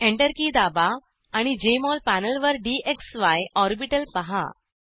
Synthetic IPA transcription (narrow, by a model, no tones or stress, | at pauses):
ẽɳʈəɾkiːd̪abaː | ɽ̃id͡ʑemɔlpænəlʋəɾɖieksʋajɔɾbiʈəlpəɦa̰